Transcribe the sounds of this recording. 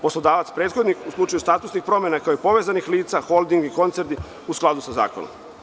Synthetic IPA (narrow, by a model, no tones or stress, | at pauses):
poslˠod̪aːʋat̪spɾe̞ːt̪xo̞d̪nixuslˠut͡ʃajust̪aːt̪usnixpɾo̞mjenakaoipo̞ʋezanixliːt̪saxo̞lˠd̪iŋɡiko̞nt̪e̞ɾt̪i | usklˠad̪usaza̰ːkono̰m